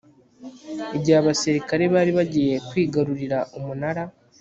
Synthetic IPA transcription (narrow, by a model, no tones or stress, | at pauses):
eɟaːβasiɾikaɾe̞βaːɾiβaɟiːje̞kwiːɡaɾuɾiɾaʔumunaɾa